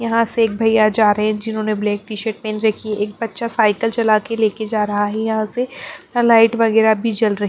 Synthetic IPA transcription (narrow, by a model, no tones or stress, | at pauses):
jɐɦãseeːk̚bʱɐjːad͡ʒaːɾɐɦẽd͡ʒɪnɦõːneblɛːk̚ʈiːʃəɾʈ̚pẽːnɾɐkʰieeːk̚bɐtːʃasaːɪkəlt͡ʃɐlaːkeleːked͡ʒaːɾɐɦaɦɛjɐɦãselaːɪʈʋɐɣɛːɾabʱid͡ʒɐlɾɐɦ